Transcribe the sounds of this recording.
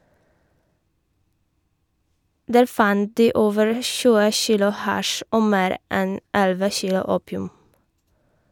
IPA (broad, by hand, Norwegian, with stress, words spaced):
ˈdæːɾ ˈfɑnt ˈdiː ˈoːʋəɹ ˈçʉːə ˈçiːlʊ ˈhɑʃ ˈʔoː ˈmeːɾ ˈʔɛn ˈɛlʋə ˈçiːlʊ ˈuːpɪʉm